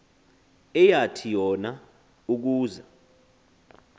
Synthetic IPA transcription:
ɛjatʰijɔna | uk̬uːza

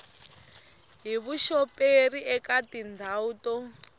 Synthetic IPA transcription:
ɦiβuʃɔperiʔɛkatindʱautɔ

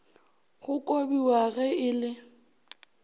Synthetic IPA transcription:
ɣʊkʼobiwaɣɛɪlɪ

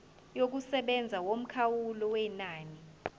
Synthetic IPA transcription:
jok̬usɛɓɛnd͡zʱawom̩kʰawulɔwɛnaːni

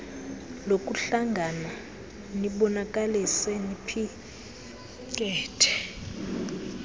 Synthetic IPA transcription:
lokʼuɬaŋɡʱana | niɓɔnakʼalisɛnipʰi | kʼɛːtʰɛ̥

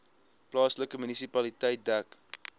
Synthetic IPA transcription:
plɑːsləkəmynisipɐlitəjt̚dæk

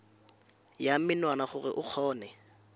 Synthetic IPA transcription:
jamɪnwanaχʊrɪ̰ʔʊk͡xʰɔːnɛ

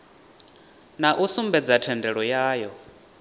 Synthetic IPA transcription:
naʔusumbɛd͡zatʰɛndɛɺɔjaːjɔ

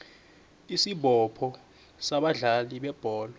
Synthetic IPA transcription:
isiɓɔpʰɔ | saɓaɮaliɓɛb̥ʱɔːlɔ

